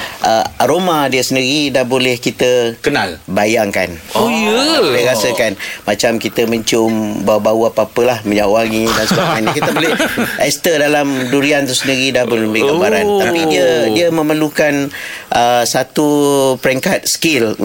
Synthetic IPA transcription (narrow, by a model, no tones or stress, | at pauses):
ʔəaɾomãdiəsəndiɾidahbolɛhkit̪əkənalbajaŋkanojəsajɾasəkanmat͡ʃamkit̪əmə̃ɲt͡ʃʊmbabauapapəlahməɲawaŋidansəbaankitt̪əbolɛhɛst̪ədalamduɾiant̪usəndiɾidahbolbiɡambaɾanapidiədiəmə̃məlukanʔəsat̪upəɾɛŋkat̪̚skil